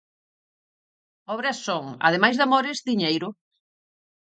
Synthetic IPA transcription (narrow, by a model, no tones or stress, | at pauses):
ɔβɾɐsːoŋa̰ðemajzðamoɾɪzðiɲejɾʊ